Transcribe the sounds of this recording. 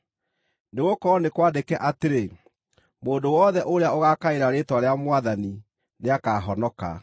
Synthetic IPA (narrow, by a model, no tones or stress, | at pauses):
neɣokɔɔnekwaːdekɛʔateɾe | moːndowɔðɛʔoɾeaoɣakaeɾaɾetwaɾeamwaðani | neakaːɦɔnɔka̰